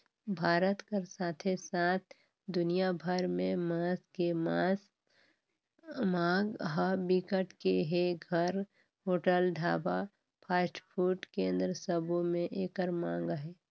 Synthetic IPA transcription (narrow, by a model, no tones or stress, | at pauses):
bʱaːɾət̪kəɾsaːt̪ʰesaːt̪ʰ | d̪ʊnijabʱəɾmẽmaːskemaːs | mãːɡɦəbikəʈkeɦeɡʱəɾ | ɦoːʈəlɖʱaːba | pʰaːsʈpʰuːɾʈkẽːnd̪ɾəsəbʱomẽʔeːkəɾmãːŋɡɦɛː